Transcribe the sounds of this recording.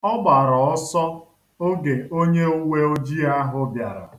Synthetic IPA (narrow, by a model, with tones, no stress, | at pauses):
ɔ˦ɡ͡ba˨ɾɔ˨ɔ˦sɔ˦ | o˦ɡe˨o˦ɲe˦ʊ˦we˦o˦d͡ʒi˦a˦ɦʊ˦bja˨ɾa̰˨